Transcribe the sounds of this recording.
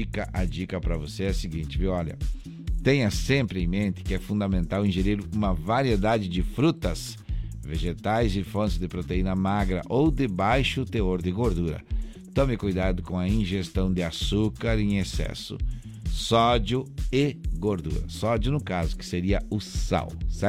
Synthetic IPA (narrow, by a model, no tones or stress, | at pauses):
ikɐʔɐd͡ʒikɐpɾɐvoseɛsɪɡĩnt͡ʃ̪ɪviwɔʎɐ̰ | t̪ẽjɐsẽmpɾɪẽj̃mẽnt̪ɪ̥kɪɛfũnd̪ɐmẽnt̪awĩʒeɾiɾũmɐvaɾied̪ad͡ʒɪd͡ʒɪfɾut̪ɐs | veʒet̪ajzɪfõsɪzd̪ɪpɾot̪einɐmaɡɾɐ̰ʔowd̪ɪbajʃʊt̪eoɾd̪ɪɡoɾd̪uɾɐ̰ | t̪õmɪkujd̪ad̪ʊkõɐĩʒest̪ɐ̃w̃d̪ɪasukaɾẽesɛ̰sʊ̰ | sɔd͡ʒʊɪɡoɾd̪ṵɾɐ̰sɔd͡ʒʊnʊkazʊkɪ̥seɾiɐʊsa̰wsa